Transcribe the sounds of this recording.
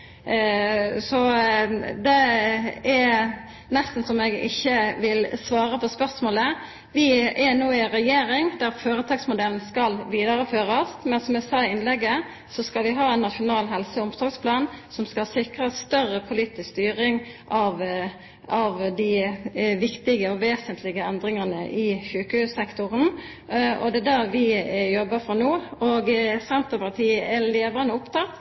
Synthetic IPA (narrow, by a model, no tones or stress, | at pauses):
sɔ | d̪ɛ | ɛ | nɛst̪n̩sɔmɛɡɪ̰çːəʋɪlsʋɑːɾəpʰɔspœʁsmoːlə | ʋɪɛɾnoːɪɾɛjeːɾɪŋd̪æɾføːɾət̪ʰɑːɡsmʊd̪ɛln̩skɑlʋiːd̪ɑɾəføːɾɑsmɛnsɔmɛsɑːɪɪnlɛɡːə | sɔskɑlʋɪɦɑːɛnːɑtʂʊnɑːlɦɛlsəʊmsɔɡspʰlɑːnsɔmskɑsɪkʁəst̪œʁəpʰʊliːt̪ɪskst̪yːʁɪŋ | ʔɑʋ | ɑʋd̪ɪʋɪkt̪ɪɡəɔʋeːsənt̪ʰlɪɡəɛnd̪ɾɪŋɑnə̰ʔɪçʉːkəʉsɛkt̪ʊʁən | ɔ̰d̪ɛd̪æʁʋɪjɔbːəfɾɑnoːoɡsɛnt̪əpʰɑʁt̪ʰiːəʔæleːʋɾɑnəʊpt̪ʰɑt̪ː